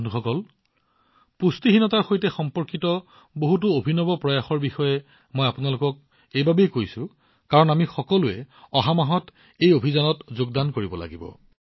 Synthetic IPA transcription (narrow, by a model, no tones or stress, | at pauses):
nuxɔkɔl | pustiɦinɔtaɹxojtɛxɔmpɔɹkitɔ | boɦut̬ʊobʱinɔbɔpɹɔjaxɔɹbixɔjɛ | mojapʊnalʊkɔk̚ | ejbabejkojsʊ̃ | kaɹɔnamixɔkɔlʊɛ | ɔɦamaɦɔt | ejobʱizanɔtzoɡdankoɹibɔla̰ɡibɔ̰